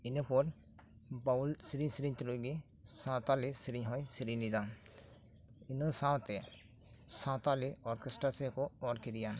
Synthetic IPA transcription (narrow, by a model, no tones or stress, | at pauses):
inɔpɔɾ | baulsiɾiɲsiɾiɲt̪eloɡi | sãt̪alisiɾiɲɦɔjsiɾiɲlid̪a | inɔsãt̪ɛ | sãt̪aliɔɾkesʈɾasɛkɔɔɾkid̪ijan